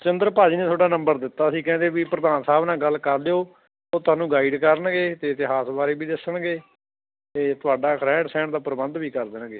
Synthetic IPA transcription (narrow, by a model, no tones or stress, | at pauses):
t͡ʃɪnd̪əɾpaːd͡ʒiːnẽːt̪ʰoːɖaːnə̃mbəɾd̪ɪt̪ːaːəsĩːkɛ̃ːnd̪eːbiːpɾəd̪aːnsaːbnãːɡəlːkəɾd̪eːoː | oːt̪ʰʊaːnũːɡaːiɖkəɾənɡeːt̪eːt̪eːɦaːsbaːɾeːbiːd̪ɪsəɳɡeː | t̪eːt̪ʊaːɖaːkɾɛ̃ːɖsɛ̃ːɳd̪aːpəɾəbənd̪biːkəɾd̪ənɡeː